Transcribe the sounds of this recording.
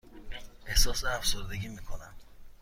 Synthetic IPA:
ʔehsɒːseæfsoɾd̪e̞ɡʲiːmiːkʰonæm

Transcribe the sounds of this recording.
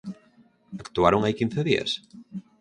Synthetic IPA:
akt̪uaɾoŋajkin̟θeðiɐ̰s

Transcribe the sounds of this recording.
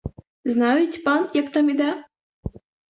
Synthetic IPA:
znɑjut͡sʲpɑnjakt̪ɑmid̪a

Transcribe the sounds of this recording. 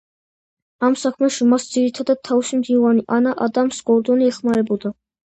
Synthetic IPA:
amsakʰmɛʃimasd̪z̥iɾit̪ʰad̪ad̪̚t̪ʰːavisimd̪ivaniʔanaʔad̪amsɡ̥ɔɾd̪ɔniɛχmaɾɛbɔd̪a

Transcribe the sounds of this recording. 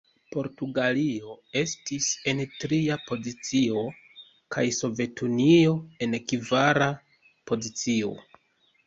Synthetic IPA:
po̞ɾtuɡalio̞e̞stise̞ntɾiapo̞zit͡sio̞ | kajso̞ve̞tʰunio̞e̞nkivaɾa | po̞zit͡sio̞̰

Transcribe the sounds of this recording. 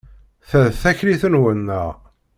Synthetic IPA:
θæðθæçliθənwənːæ

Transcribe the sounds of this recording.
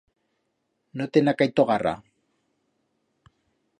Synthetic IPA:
not̪enakajt̪oɣara̰

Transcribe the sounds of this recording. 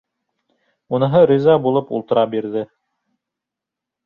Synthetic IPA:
unɤ̆ɦɤɾizɑbulˠɤpṵlˠt̪ɤ̆ɾɑbiɾðɘ

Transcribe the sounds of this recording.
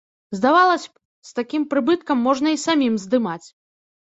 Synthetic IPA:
zd̪avalˠɐsʲ | st̪akʲimpɾɨbɨt̪kɐmːɔʐnɐisamʲimzd̪ɨmat͡sʲ

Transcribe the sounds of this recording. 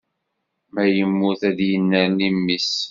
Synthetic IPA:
mæjəmːʊθæðjənːəɾnimːis

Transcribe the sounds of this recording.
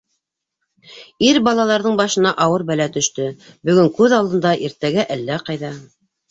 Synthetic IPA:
iɾbɑlˠɑlˠɑɾðɤɴbɑʃɤ̆nɑʔɑwɤɾbælæt̪ɵ̆ʃt̪ɵbɵ̆ɡɵŋkʉðɑlˠd̪ɤ̆nd̪ɑʔiɾt̪æɡæʔælːæqɑjðɑ

